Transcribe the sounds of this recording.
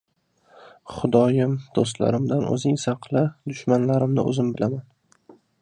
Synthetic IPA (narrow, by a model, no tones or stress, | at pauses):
χʊd̪ɒjɪmd̪̥os̬t̪la̰ɾɪmd̪anɵ̰zɪŋsɑqʰlɪd̪ʊʃmanlaɾɪmnɪ̰ʔɵ̰zɪmbɪlaman